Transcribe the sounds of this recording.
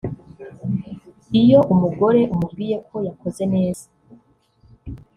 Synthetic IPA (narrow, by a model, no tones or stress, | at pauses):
ijo̞ʔumuɡo̞ɾe̞ʔumubɡiːje̞kʰo̞jako̞ze̞ne̞ːz̥a